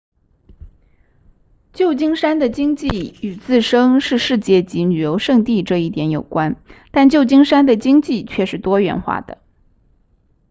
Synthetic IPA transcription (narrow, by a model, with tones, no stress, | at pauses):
t͡ɕjo˥˩ʊt͡ɕi˥ŋʂa˥nd̪ə˨t͡ɕi˥ŋt͡ɕi˥˩y˨˩t͡sɹ̩˥˩ʂɤ˥ŋʂɻ̩˥˧ʂɻ̩˥˧t͡ɕjɛ˥˩t͡ɕi˧˥ny˨˩jo˧˥ʊʂɤ˥˧ŋt̪i˥˧ʈ͡ʂɤ˥˧i˥˩t̪jɛ˧˥njo˨˩ʊkwa˥nt̪a˥˧nt͡ɕjo˥˩ʊt͡ɕi˥ŋʂa˥nd̪ə˨t͡ɕi˥ŋt͡ɕi˥˧t͡ɕʰɥɛ˥˧ʂɻ̩˥˩t̪wɔ˥ɥɛ̰˧˥nxwa̰˥˩d̪̥ə̰˩